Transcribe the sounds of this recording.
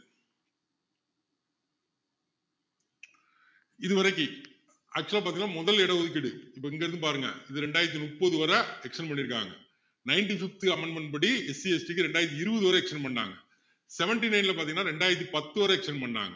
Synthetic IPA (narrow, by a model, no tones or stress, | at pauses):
ɪðɯʋɐɾɐkːɯ | ʔa̰ːk̚t͡ʃuɐlapaːɾt̪iŋnːaːmɔðɐlɛɽɐɔðɯk̬ːɪɽɯɪpːoɪŋɡɐɛːɾɯnd̪ɯpaːɾɯŋɡɐ̰ɪðɯɾɛɳɖaːjɪɾɐt̪̬ːinʊpːɐðɯʋɐɾɐɛkʂɐnpɐɳːɪɾɯkːa̰ːŋɡɐ | nɐɪnʈifɪk̚t̪ɯɐmɛɳɖmɛɳpɐɽiɛsiɛsʈikːɯɾɛɳɖaːjɪɾɐt̪̬ːiɪɾɯbɐðɯʋɐɾɐɛkʂɐnpɐɳːa̰ːŋɡɐ | sɛʋɛɳʈinɐɪnɪlɐpaːɾt̪iŋɡɐnaːɾɛɳɖaːjɪɾɐt̪̬ːipɐt̪ːɯʋɐɾɐɛkʂɐnpɐɳːa̰ːŋɡɐ